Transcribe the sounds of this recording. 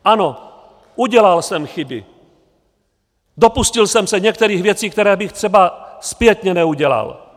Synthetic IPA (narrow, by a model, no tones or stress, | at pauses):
ʔano | ʔuɟɛlalsɛmxɪbɪ̰ | do̞puscɪlsɛmsɛɲɛk̚t̪ɛɾiːxvjɛt͡siːkt̪ɛɾɛːbɪxt̪r̥ɛbaspjɛt̪ɲɛnɛuɟɛla̰l